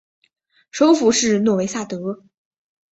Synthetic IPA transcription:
ʂo˥ʊfu˧˥ʂɻ̩˥˧nwɔ˥˩we˧˥ɪsa˥˩t̪ɤ˧˥

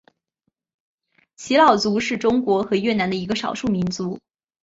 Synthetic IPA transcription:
t͡ɕʰi˧˥lɑ˥˩ʊt͡su˧˥ʂɻ̩˥˩ʈ͡ʂʊ˥ŋkwɔ˧˥xɤ˧˥ɥɛ˥˩na˧˥nd̪ə˧i˧˥ɡə˧ʂɑ˨˩ʊʂu˥˩mi˧˥nt͡su˧˥

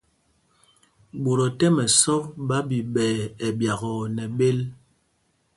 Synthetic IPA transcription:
ɓo˨ɾɔ˨tɛ˦mɛ˨sɔ˦p̚ɓa˦bi˨ɓɛː˨ɛ˨bja˨ɣɔ˨nɛ˨ɓe˦l

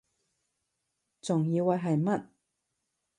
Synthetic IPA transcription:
t͡sʊ˨˩ŋjiː˧wɐ˨˧jɦɐ˨jmɐ˦˥t̚

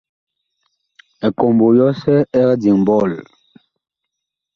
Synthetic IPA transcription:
ɛ˨ko˨mbo˨jɔ˦sɛ˦ɛ˦ɣɛ˦di˨ŋ˨bɔ˦˨l

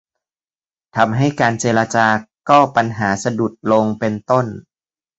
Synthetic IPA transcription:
t̪ʰa˧mɦa˥˩jkaː˧nt͡ɕeː˧la˧t͡ɕaː˧kɔː˥˩pa˧nɦaː˩˦sa˧du˨˩t̪̚lo˧ŋpe˧nt̪o˥˩n

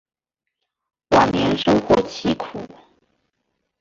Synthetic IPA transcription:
wa˥˩nnjɛ˧˥nʂɤ˥ʊxwɔ˥˩t͡ɕʰi˧˥kʰu˨˩˦

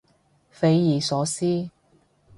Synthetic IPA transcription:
fe˨˧jjiː˨sɔː˨˥siː˥

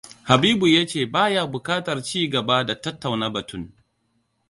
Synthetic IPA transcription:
ha˨biː˦bu˨ja˦t͡ʃeː˦˨baː˦ja˦bʊ˨kaː˦tɐ˨rt͡ʃiː˦ɡɐ˨ba˦da˨tɐ˦tːa˨wna˦bɐ˨tʊ˦˨ŋ

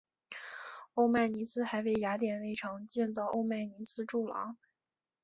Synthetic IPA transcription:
o˥˧ʊma˥˩ɪni˧˥sɹ̩˥xa˧˥ɪwe˥˩ɪja˧˥t̪jɛ˨˩nle˥˩ɪʈ͡ʂʰɑ˧˥ŋt͡ɕjɛ˥˧nt͡sɑ˥˧ʊʔo˥˧ʊma˥˩ɪni˧˥sɹ̩˥ʈ͡ʂu˥˩lɑ̰˧˥

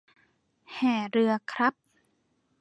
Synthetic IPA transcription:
hɛː˨˩ɾɯ˧ɐkʰɾa˦˥p̚

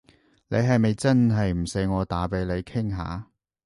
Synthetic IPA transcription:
le˨˧jɦɐ˨jme˨jt͡sɐ˥nɦɐ˨jm̩˨˩se˨˧jŋɔː˨˧t̪aː˨˥pe˨˧jle˨˧jkʰɪ˥ŋɦa̰ː˨˦

